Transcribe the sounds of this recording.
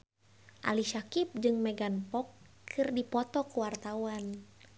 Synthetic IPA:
ʔa̰liʃakip̚d͡ʒɨŋmɛɡanpɔkʰː | ɨrdipɔt̪ɔkuwart̪awan

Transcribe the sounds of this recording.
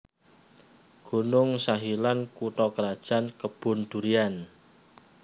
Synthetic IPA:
ɡ̥o̤nʊŋsaɦilankuʈɔkəɾad̥ʒ̥a̤nkəb̥ʊ̤nd̪̥ṳɾian

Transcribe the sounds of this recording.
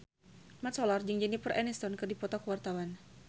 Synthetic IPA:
mat̪sɔlard͡ʒɨŋd͡ʒənipərʔɛnɛst̪ɔnkɨrdipɔt̪ɔkəwart̪awan

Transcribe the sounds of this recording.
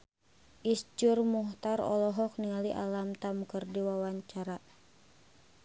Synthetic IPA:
ʔisd͡ʒurmuht̪aɾɔ̰lɔɦɔk̚niŋaliʔa̰lamt̪amkərdiwawaɲt͡ʃaɾa

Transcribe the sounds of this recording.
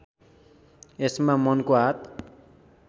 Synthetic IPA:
esmamʌnkoɦat̪

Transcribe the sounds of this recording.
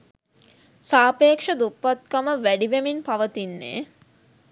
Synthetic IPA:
saːpeːkʂɐd̪upːat̪̚kaməʋæɖiʋeminpaʋət̪inːḛː

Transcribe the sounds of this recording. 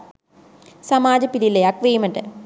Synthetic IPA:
sɐmaːd͡ʑɐpːiðileɐkʋeːmɐɳɖe

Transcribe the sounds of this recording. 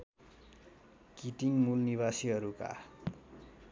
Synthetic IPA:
kiʈiŋmulniβasiɦʌɾuka̰

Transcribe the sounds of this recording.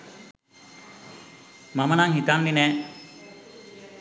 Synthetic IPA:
mamənaŋɦit̪anlinɛ

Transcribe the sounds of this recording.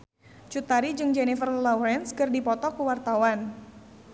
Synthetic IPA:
t͡ʃut̪aɾid͡ʒɨŋd͡ʒɛnifərlɔɾɛnskɨrdipɔt̪ɔkəwart̪awan

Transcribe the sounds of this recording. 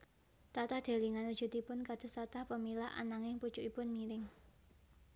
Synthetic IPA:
t̪at̪ad̪̥a̤liŋanud̥ʒ̥ṳt̪ipʊnkad̪̥ə̤sat̪ahpəmilaʔa̰naŋɪŋpu̥ʒ̥uʔipʊnmiɾɪŋ

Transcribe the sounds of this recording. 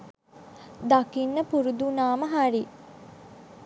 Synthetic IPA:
d̪akinːəpuɾud̪unaːməɦaɾi

